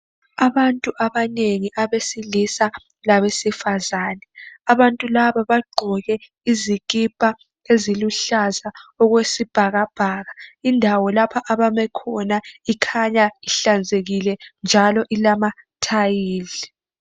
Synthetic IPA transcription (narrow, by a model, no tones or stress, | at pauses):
aβantʼuʔaβaneŋiʔaβesilisa | laβesifazaːnɛaβantʼulaβaβaɡ͡ǃʱɔɣɛ | iziɣʼipʼa | eziluɬazaɔɣwesib̥ʱaɣab̥ʱaːɣaindʱawɔlapʰaʔaβamɛkʰɔnaikʰaɲaiɬand͡zʱeɣilɛnd͡ʒʱalɔʔilama | tʰajiːɮi